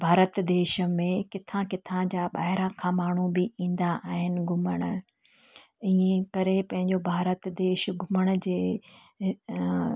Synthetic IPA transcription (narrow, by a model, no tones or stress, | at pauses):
bʱaːɾət̪d̪eːʃəmẽkɪt̪ʰãkɪt̪ʰãd͡ʑaːɓaːɦɪɾãkʰãːmaːɳ̤ubɪʔĩːn̆d̪aʔaːɦɪnɪ̆ɡʱʊməɽ̃̆ | iːẽkɐɾepɐ̃ɦɪ̃ɲd͡ʑobʱaːɾət̪d̪eːʃɡʱʊməɽ̃ʊd͡ʑeː